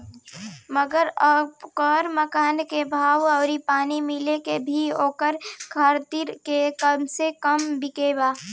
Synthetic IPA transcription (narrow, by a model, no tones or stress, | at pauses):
məɡəɾɔkɔːɾməkaːnkebʱaːʋɔːɾipaːnimɪlekebʱioːkəɾkʰɐəɾt̪iɾkekəmsekəmbɪkeːbaː